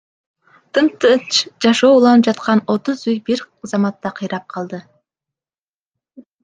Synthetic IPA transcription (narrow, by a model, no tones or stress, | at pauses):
t̪ɨmt̪ɨt͡ʃd͡ʒɑʃo̞ːulˠɑnɯp̚d͡ʒɑt̪̚qɑno̞t̪ʊzujbiɾ | zɑmɑt̪ːɑqʰɯjɾɑp̚qʰɑlˠd̪ɯ